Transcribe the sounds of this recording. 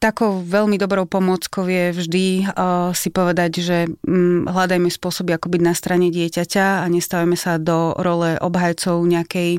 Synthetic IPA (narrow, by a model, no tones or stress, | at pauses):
t̪akɔʊʋɛʎmid̪ɔbɾɔʊpɔmʊɔt͡skɔʊʋjɛvʒd̪i | sipɔʋɛd̪aɟʒɛɦlad̪ajmɛspʊɔsɔbiakɔbiɟnast̪ɾaɲɛɟɪɛcacaaɲɛst̪aʋamɛsad̪ɔɾɔlɛʔɔ̰bɦajt͡sɔʊɲɛakɛj